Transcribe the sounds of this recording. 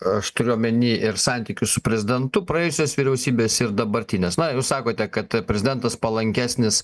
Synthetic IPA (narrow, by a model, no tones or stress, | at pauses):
ɐʃt̪ʊɾʲmʲɛnʲiːʔɪɾsɑnʲt̪ʲiːkʲʊssʊpʲɾʲɛzʲɪd̪ʲɛnt̪ʊpɾɐɛːjʊsʲoːsʋʲiːɾʲɛʊsʲiːbʲeːsɪɾd̪ɐbɐɾʲt̪ʲinʲeːsnɐjuːssɑːkoːt̪ʲɛkɐt̪pʲɾʲɛzʲɪd̪ʲɛnt̪ɐspɐlˠɐŋʲkʲæːsʲnʲɪs